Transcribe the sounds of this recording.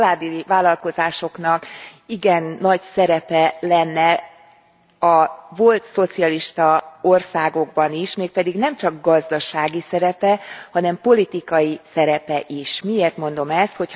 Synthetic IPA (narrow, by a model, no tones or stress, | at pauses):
laːd̪ivaːlːɒlko̞zaːʃo̞kn̪ɒkiɡɛnːɒɟsɛɾɛpɛlɛnːɛ | ɒvo̞lt̪so̞t̪siɒliʃt̪ɒo̞rsaːɡo̞ɡ̚bɒniʃmeːk̚pɛd̪iɡnɛmt͡ʃɒɡɡɒzd̪ɒʃaːɡisɛɾɛpɛhɒnɛmpo̞lit̪ikɒjisɛɾɛpɛʔiʃmieːrt̪mo̞n̪d̪o̞mɛst̪ho̞c